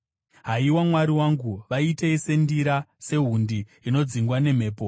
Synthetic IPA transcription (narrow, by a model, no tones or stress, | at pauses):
ɦaiwamwaɾiwaŋɡuʋaiteise̞ndiɾase̞ɦundiːno̞d͡ziŋɡwane̞m̤e̞ːpo